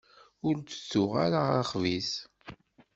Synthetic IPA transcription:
ʊɾt͡sə̥t͡sːʊʁaɾaʁχvis

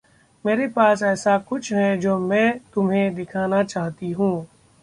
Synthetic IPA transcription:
meːɾepaːsɛːsakʊt͡ʃʰɦɛd͡ʒoːmɛ̃ːt̪ʊmɦẽd̪ɪkʰaːnat͡ʃaːɦt̪iɦũː

